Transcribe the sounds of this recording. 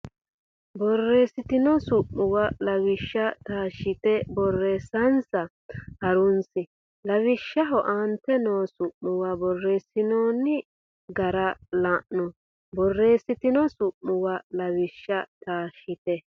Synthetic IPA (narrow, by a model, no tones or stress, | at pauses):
bɔrːe̞ːsɪt̪ɪnɔsʊʔːʊwɐlɐwɪʃːɐt̪aːʃːɪt̪ɛbɔrːeːsɐnsɐ | hɐɾʊnsɪ | lɐwɪʃːɐɦɔʔant̪ɛnoːsʊʔmʊwɐbɔrːeːsɪnoːnːɪ | ɡɐɾɐlaʔnʊ | bɔrːe̞ːsːɪt̪ɪnɔsʊʔmːʊwalɐwɪʃːɐt̪aːʃɪt̪ɛ